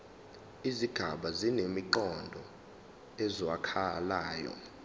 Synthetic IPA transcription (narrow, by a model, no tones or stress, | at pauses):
iziɡ̥ʱaɓazinemiǃɔndʱɔ | ɛzɔwakʰalaːjɔ̰